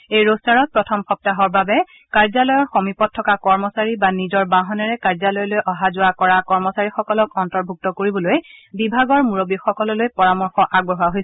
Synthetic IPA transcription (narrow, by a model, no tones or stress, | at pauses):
ejɹostaɹɔt̚pɹɔtʰɔmxɔp̚taɦɔɹbabɛ | kaɹzalɔjɔɹxomipɔt̚tʰːɔkakɔɹmɔsaɹibanizɔɹbaɦɔnɛɹɛkaɹzalɔjɔlojʔɔɦazʊwakɔɹakɔɹmɔsaɹixɔkɔlɔkɔntɔɹbʱuk̚tɔkoɹibɔlojbibʱaɡɔɹmuɹobixɔkɔlɔlojpɔɹamɔɹxɔʔaɡbɔɦʊaɦojs